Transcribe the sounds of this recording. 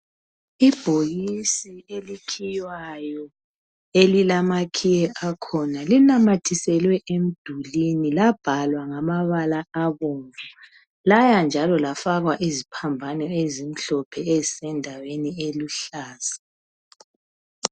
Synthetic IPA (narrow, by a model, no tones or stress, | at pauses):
ib̥ʱoɣisielikʰijwajɔ | elilamakʰijɛʔakʰɔnalinamatʰisɛlwɛʔem̩d̥ʱulinilab̥ʱalwaŋamaβalaaβoŋvɛ | lajand͡ʒʱalɔlafaɣwaʔezipʰambʱanɛezim̩ɬɔpʰɛezisɛndʱawenieluɬaːza